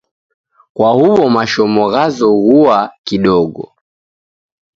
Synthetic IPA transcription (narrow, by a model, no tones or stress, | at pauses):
kwahuβɔmaʃɔmɔɣazɔɣuakiɗɔɡɔ̰